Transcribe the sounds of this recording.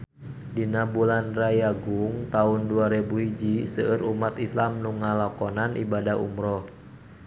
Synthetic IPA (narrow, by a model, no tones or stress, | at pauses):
dinabulanrajaɡuŋt̪aunduaɾebuhid͡ʒisəʔəɾumat̪islamnuŋːalakɔnanʔḭbadaɦṵmɾɔh